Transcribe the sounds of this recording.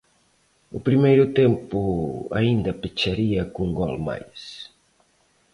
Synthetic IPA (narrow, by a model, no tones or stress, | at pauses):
ṵpɾimejɾʊt̪empua̰ind̪ɐpet͡ʃaɾiɐkuŋɡɔlma̰js